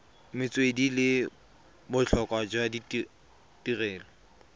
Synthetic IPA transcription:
mɪt͡sʼwedilɪ | bʊt͡ɬʰɔkʼwad͡ʒɔadi | tʼirɛːlɔ

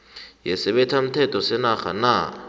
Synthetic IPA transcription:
jɛsɛɓɛtʰam̩tʰɛtʰɔsɛnaxa̰na

